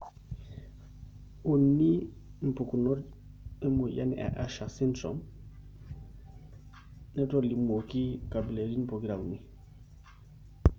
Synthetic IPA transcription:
u˨nːi˦ | n̩˨pu˨ku˨nɔ˦d | e˦mo˨ja˦ni˨ʔa̰˨ʔa˨ʃa˨si˦ntɾo̰m | nɛ˦toli˨mo˨ki˦ka˨bi˨le˨ɾi˦n˦po˨ki˦ɾa˨u˨ni˦

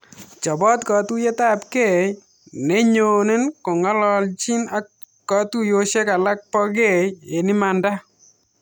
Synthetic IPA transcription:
t͡ʃɔ˨bɔ˦t̪kɔ˨t̪u˦je˦ta˦˨pke˦˨ | nɛ˦ɲo˨ne˦nko˨ŋɔ˦lɔ˦lt͡ʃi˦na˨ | kɔ˨tu˦jo˦ʃe˦ka˨la˦k̚pɔ˦ɡe˦˨e˨ni˦ma˨nda˦

